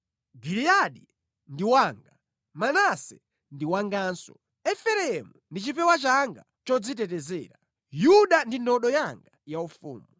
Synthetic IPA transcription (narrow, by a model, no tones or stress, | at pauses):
ɡiliaɗi | ndiwaːŋɡa | manasɛ | ndiwaŋɡaːnsɔ̰ | ɛfɛɾɛmundit͡ʃipɛwat͡ʃaŋɡa̰ | t͡ʃɔd͡zitɛt̬ɛzɛːɾa | juɗandindɔɗɔjaŋɡajaufṵːmu